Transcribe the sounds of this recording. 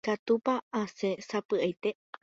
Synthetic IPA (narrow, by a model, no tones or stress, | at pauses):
kat̪upaːse̞sapɨajt̪e̞